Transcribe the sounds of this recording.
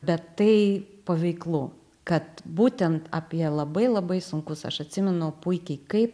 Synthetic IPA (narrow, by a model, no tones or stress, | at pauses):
bʲɛt̪tːɐɪpɐʋʲɛɪklˠuː | kɐt̪buːt̪ʲɛnt̪apʲiɛlˠɐbɐɪlˠɐbɐɪsʊŋkʊsɐ̰ʃɐt̪ʲsʲɪmʲɛnʊpʊɪkʲɛɪkɐɪp